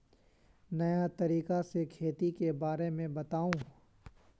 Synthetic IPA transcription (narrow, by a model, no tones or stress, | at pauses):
nɐjat̪ɐɾiːkasekʰeːt̪ikebaːɾemẽbɐt̪aːũː